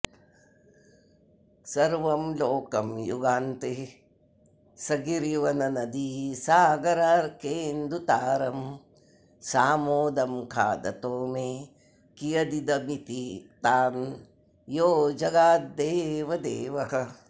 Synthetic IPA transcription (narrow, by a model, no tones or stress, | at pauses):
sɐɾʋɐmloːkɐmjṵɡaːnt̪e | sɐɡiɾiʋɐnɐnɐd̪isaːɡɐɾaːɾkeːnd̪ɾut̪aːɾɐm | saːmoːd̪ɐmkʰa̰ːd̪ɐ̰t̪oːmeː | kijɐd̪id̪ɐmit̪it̪aːn | joːd͡ʒɐɡaːt̪d̪eːʋɐd̪eːʋɐhɐ